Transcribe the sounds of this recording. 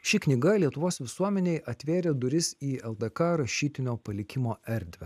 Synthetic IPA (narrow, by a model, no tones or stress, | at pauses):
ʃʲɪknʲɪɡɐlʲiɛt̪ʊʋoːsʋʲɪsuɔmʲɛnʲeɪʔɐt̪ʲʋʲeːɾʲeːd̪ʊɾʲɪsiːɛlˠd̪ɐkɑɾɐʃʲiːt̪ʲɪnʲoːpɐlʲɪkʲɪmoːɛɾʲd̪ʲʋʲɛ